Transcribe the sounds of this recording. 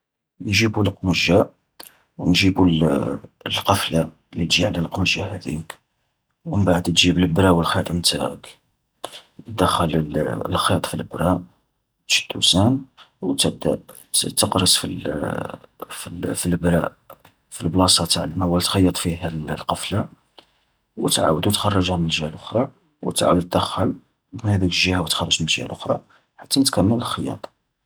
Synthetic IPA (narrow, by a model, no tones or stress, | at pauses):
jʒibulqməʒːa | wnʒibul | lqɑfla | lit̪ʒiʕlælqməʒːahæd̪ḭk | wmbaʕəd̪t̪ʒibəlbɾæwəlxit̪ˤənt̪ʰæk | d̪əxələllxit̪ˤfilbɾɑ | t̪ʃə̥d̪̥ṵsænwt̪əb̚d̪æ̰ | t̪ːəqɾəsfil | filfilbɾæ̰ʔ | filblɑsˤɑt̪ʕlmæwælt̪xɑjːɑt̪ˤfiɦælqɑfla | wət̪ʕa̰wəd̪uwt̪xɑrˤːɑʒhæmnəʒhælʔʊxɾˤɑ | wət̪ʕa̰wəd̪ət̪ːəxəl | mənhæd̪ikʒihæwət̪xɑrˤːɑʒmənəlʒhæ̰lʔʊxɾˤɑ̰ | ħat̪ːænət̪kæmːələlxəjɑ̰t̪ˤ